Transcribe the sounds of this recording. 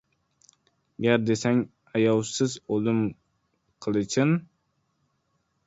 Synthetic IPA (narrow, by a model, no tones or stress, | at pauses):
ɡʲæɾd̪esɛŋ | ɛjɑwsɨzolˠɨm | qʰəlˠɨt͡ʃʰɪn